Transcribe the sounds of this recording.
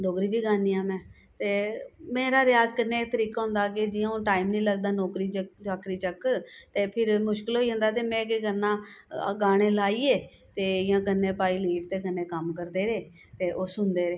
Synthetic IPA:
noːkɾiːbiːɡaːniːãːmɛ̃ː | t̪eːmẽːɾaːɾɪjaːzkənːeaɪk̚t̪əɾiːkaːɦʊ̃nd̪aːk̬ed͡ʒɪːãːõːʈaːiːmnĩːləɡd̪aːnɔːkɾiːət͡ʃaːkɾiːt͡ʃəkːəɾt̪eːpʰɪɾmʊʃkɪlɦoːiːɦə̃nd̪aːt̪̬eːmɛ̃ːkeɡənːãːɡaːɽ̃eːlaːiːeː | t̪eːɪjãːkənːẽːpaːiːliːʈ̚t̪eːkənːẽːkəmkəɾd̪eːɾeː | t̪eːʔoːsʊnd̪eːɾeː

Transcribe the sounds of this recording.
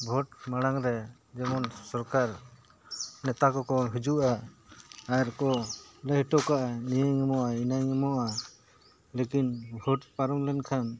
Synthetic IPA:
bʱɔʈ̚maɽ̃aŋɾɛ | d͡ʒɛmɔnsɔɾkaɾ | nɛt̪akɔkɔɦud͡ʒuʔaː | ɾkɔləɦʈɔkaʔanijaŋɛmɔʔainajŋɛmɔʔa | lekinbʱɔʈpaɾɔmlɛnkʰan

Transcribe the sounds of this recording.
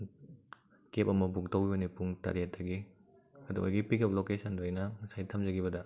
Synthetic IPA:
kepɐmɐbuɡtʰɐwibɐnipuŋta̰ɾiet̚dɐɡi | ɐdṵo̰jɡipikʰɐp̚lokesʰɐndoajnɐŋsajtʰɐmzɐɡiβɐdɐ

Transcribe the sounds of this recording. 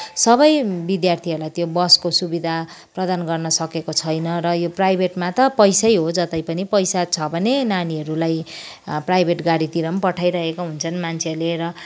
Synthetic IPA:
sʌbʌjbid̪jart̪ʰiɦʌɾulajt̪jobʌskosubid̪ʱa | prʌd̪anɡʌrnʌsʌkekot͡sʰʌjnʌɾʌjoprajbʱeʈmat̪ʌpʌjsʌjɦod͡zʌt̪ʌjpʌnipʌjsat͡sʰʌbʱʌnenaniɦʌɾulaj | prajbʱeʈɡaɽit̪iɾʌmpʌʈʰajɾʌɦekoɦunt͡sʰʌnmant͡sʰeʌɾleɾʌ

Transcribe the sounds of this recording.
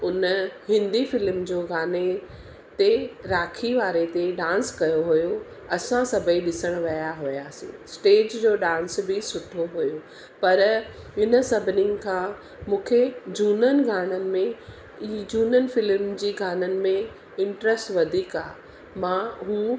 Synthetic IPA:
ʊnhɪ̃nd̪ifɪlmd͡ʑoːɡaːne | t̪eɾaːkʰiʋaːɾet̪eɖãːnskɐjoɦujo | ɐsãsɐbʱəiɗɪsəɽ̃ʋɐjaɦʊjaːsḭ̃ːsʈeːd͡ʑd͡ʑoːɗãːnsbɪsʊʈʰoɦujo | pɐɾ | ɦɪnə̆sɐbʱɪnɪ̃ŋkʰãː | mũːkʰed͡ʑuːnənɪ̆ɡʱaːɽ̃ənɪ̆mẽ | id͡ʑuːnənfɪlmd͡ʑiːɡʱaːnənɪ̆mẽ | ɪ̃ɳʈɾəsʈʋɐd̪ʱiːka̰ː | mãːɦuː

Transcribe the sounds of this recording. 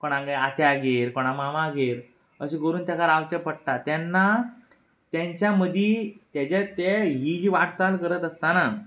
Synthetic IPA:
kɔɽ̃ãɡaat̪jaɡeɾkɔɽ̃amamaɡeɾ | əɕĩɡəɾuːnt̪akaɾawt͡ɕəpəɽʈ̪at̪janːa | t̪jãɲt͡ɕjaməd̪ʱit̪jat͡ɕet̪eɦid͡ʑiːʋaʈt͡salkəɾət̪əst̪ana

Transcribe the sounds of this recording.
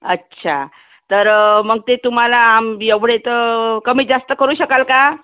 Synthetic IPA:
əːɕʰa̰ | t̪əɾməɡ̚t̪et̪um̤alaːmjeʋɽet̪əkəmiːd͡zast̪əkəɾuːɕəkalka

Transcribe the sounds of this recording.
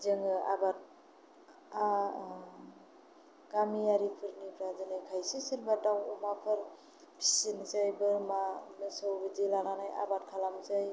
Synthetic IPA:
zɯŋɯa̰bat̚ | a | ɡ̥amijaɾipʰɯɾnibʰɾazɯnɯkʰajsisiɾbadawɔmapʰɯɾ | pʰi̥sinzajbɯɾmanɯsɯwbɯdilaŋanaja̰bat̚kʰalamzaj

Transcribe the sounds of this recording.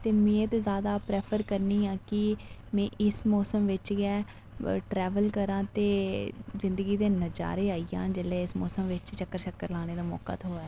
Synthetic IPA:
t̪eːmẽːt̪ezaːd̪aːpɾeːpʰəɾkəɾniːãːkɪmɛ̃ːʔɪsmɔːsəmʋɪt͡ʃɡɛː | ʈɾɛːʋəlkəɾãːt̪eːzɪnd̪əɡiːd̪eːnəd͡ʒa̰ːɾeːaːiːjã̰ːd͡ʒeːlɛːɪsmɔ̰ːsəmʋɪt͡ʃt͡ʃəkːəɾʃəkːəɾlaːɽ̃eːd̪aːmɔ̰ːka̰ːt̪ʰoːɛː

